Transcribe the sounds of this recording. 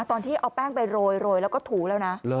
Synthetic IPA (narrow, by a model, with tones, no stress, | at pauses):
t̪ɔː˧nt̪ʰiː˥˩ʔaː˧˩pɛː˥˩ŋpa˧jɾoː˧jɾoː˧jlɛ˦˥wkɔː˥˩t̪ʰuː˩˦lɛː˦˥wna˦˥ʔ